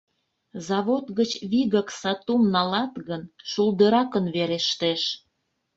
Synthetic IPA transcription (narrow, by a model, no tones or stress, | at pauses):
zɑβot̪ɣət͡ɕβiɣəksɑt̪umnɑlɑt̪ɣənʃuld̪əɾɑkənβeɾeʃt̪eʃ